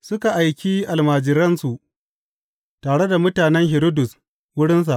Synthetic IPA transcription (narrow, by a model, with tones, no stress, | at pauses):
sʊ˦ka˨ʔa˨jkʲiː˦ʔa˨lmaː˨d͡ʒɪ˨ɾɐ˦nsu˨ʔ | taː˨ɽe˦da˨mʊ˦taː˨nɛ˦ŋɦɪ˨ɾʊ˦dʊ˨s | wʊ˦ɽɪ˦ns̬a˨ʔ